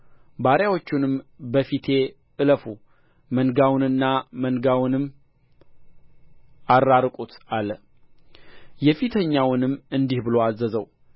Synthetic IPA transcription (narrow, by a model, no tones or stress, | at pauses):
baɾjawo̞t͡ʃːunɨmbəfit̪ʰe̞ | ʔɨləfu | mənɡawnɨnːamənɡawʊnɨmː | arːaɾkʼut̪alːə | jɛfit̪ʰəɲːawʊnɨmːɨnd̪ihbɨlo̞azəzəw